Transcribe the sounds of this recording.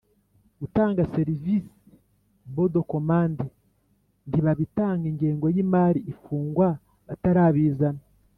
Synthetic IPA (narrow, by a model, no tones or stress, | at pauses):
βutaːŋɡase̞ɾivisi̥ | βodoko̞maːnde | ndiβaβitaːŋɡeŋɡeːŋɡojimaːɾiʔifuːŋɡwa | βataɾaːβiːzana